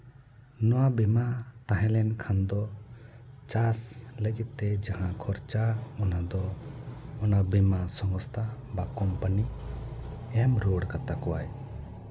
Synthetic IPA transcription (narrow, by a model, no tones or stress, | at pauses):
nɔwabɛmat̪ãɦɛ̃lɛnkʰand̪ɔ | t͡ʃasləɡit̪ːɛd͡ʒãɦãkʰɔɾt͡ʃaɔnad̪ɔ | ɔnabɛmasɔŋɡɔst̪ʰabakɔmpəni | ɛmɾoɽkat̪akɔwa̰j